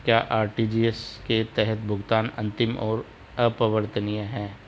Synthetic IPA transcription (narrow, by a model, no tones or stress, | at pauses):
kjaːʔaːɾʈid͡ʒiːesket̪ɛɦɛt̪bʱʊɡt̪aːnɐ̰̃nt̪ɪmɔːɾ | əpəʋəɾt̪ʰənijaɦɛː